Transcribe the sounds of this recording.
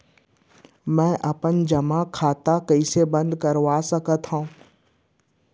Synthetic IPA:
mɛ̃ːʔɐpənd͡ʒɐmakʰaːt̪akɐisebɐ̃nd̪kɐɾʋasɐkət̪ɦãː

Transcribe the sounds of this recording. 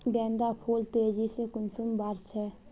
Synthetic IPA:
ɡɛ̃ːnd̪aːpʰoːlt̪eːd͡ʒiːsekʊnsʊmbaɾt͡ʃʰɛː

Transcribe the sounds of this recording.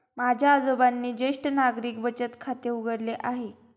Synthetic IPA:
mad͡ʑʱjaːd͡zobanːiːd͡ʑeʂʈənaɡɾiːk̚bət͡ɕət̪kʰat̪euɡəɽleʔaɦe

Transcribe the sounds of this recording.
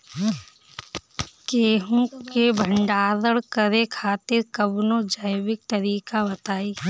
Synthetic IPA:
keːɦũkebʱə̃ɳɖaːd̪əɽkəɾekʰaːt̪ɪɾkəbnod͡ʒəjwɪk̚t̪əɾiːkabɐt̪aːiː

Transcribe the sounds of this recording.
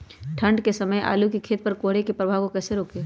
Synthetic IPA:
ʈʰə̃ɳɖkesɐməja̰ːlukikʰeːt̪̚pɐɾkoːɦɽekepɾɐbʱaʋkokɛːseɾoːkeː

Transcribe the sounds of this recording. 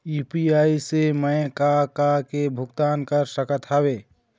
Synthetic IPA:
upiaːiseməjkakakebʱʊɡt̪aːnkəɾsəkət̪ʰaːweː

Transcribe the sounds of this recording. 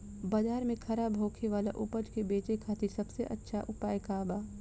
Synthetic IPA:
baːd͡ʒaːɾmẽkʰɐɾaːbʱoːkʰeʋaːla̰ʔʊpəd͡ʒkebeːt͡ʃekʰaːt̪ɪɾsɐbseʔə̰tːʃʰaʔʊpaːjkaːbaː

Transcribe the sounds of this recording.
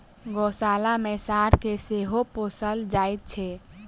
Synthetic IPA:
ɡosaːlamẽsaɾkeseɦoposəld͡ʒait̪̚t͡ʃʰɛ

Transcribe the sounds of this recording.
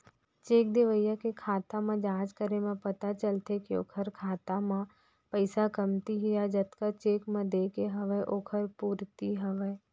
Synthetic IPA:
t͡ʃeːk̚d̪eʋəjːakekʰaːt̪amãd͡ʒãːd͡ʒkəɾemẽpɐt̪at͡ʃəlt̪ekio̰ːkʰəɾkʰaːt̪amã | pəɪsakəmt̪iɦʊjad͡ʒət̪kat͡ʃeːkmẽd̪eːkeɦəʋəʔoːkʰəɾpuːɾt̪iɦəʋə

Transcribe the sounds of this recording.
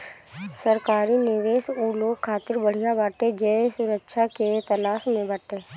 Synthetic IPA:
səɾkaːɾinɪʋeːsuloːɡkʰːaːt̪ɪɾbəɽ̤ijabaːʈed͡ʒɛːsʊɾəkʃʰaket̪ɐlaːʃmẽbəʈeː

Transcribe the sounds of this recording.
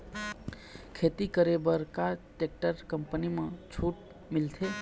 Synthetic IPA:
kʰet̪ikəɾebəɾkaʈek̚ʈəɾkəmpənimẽt͡ʃʰuʈ | milt̪ʰe

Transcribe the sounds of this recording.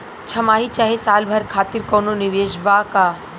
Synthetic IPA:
t͡ʃʰɐmaːɦit͡ʃaːɦesaːlbʱɐɾkʰaːt̪iɾkoːnoniʋeːʃbaːkaː

